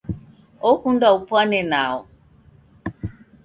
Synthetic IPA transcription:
ɔkundaupwanɛnaɔ

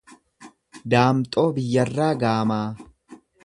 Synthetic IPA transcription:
d̪aːmt̪ʼo̞ːbɪjːɐrːaːɡaːmaː

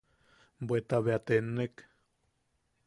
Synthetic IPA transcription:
bwet̪aβeat̪enek

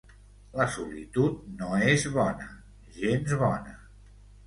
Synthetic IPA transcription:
ləsulit̪ut̪̚noezβɔnə | ʒenzβɔnə

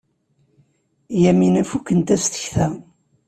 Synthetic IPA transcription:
jæminæfukːənt̪æst̪ə̥çθæ

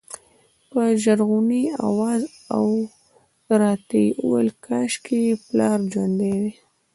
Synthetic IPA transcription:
pəʒaɾɣunia̰wɑz | aw | t̪aɾɑt̪euwəlkʰɑʃkeplɑɾd͡ʒwand̪ewe

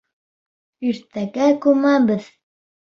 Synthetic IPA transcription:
iɾt̪æɡækʉmæbɘð

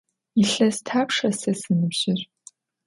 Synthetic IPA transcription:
iɬɐstʰaːpʂɐsɐsɨnɨbʑ̥ɪr

